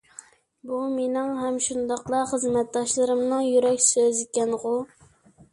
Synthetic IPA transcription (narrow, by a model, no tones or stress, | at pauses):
bumenɪŋɦɛmʃund̪ɑqlˠɑχəzmɛt̪̚d̪ɑʃlˠɨɾɨmnɨŋjyɾɛkʲsøzikʲɛnʁʊ